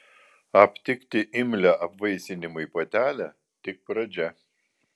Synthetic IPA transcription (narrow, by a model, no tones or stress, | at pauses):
ɐpʲt̪ʲɪkʲt̪ʲɪʔɪmʲlʲæʔɐpʋɐɪsʲɪnʲɪmʊipoːt̪ʲæːlʲæ | t̪ʲɪk̚pɾɐd͡ʒʲɛ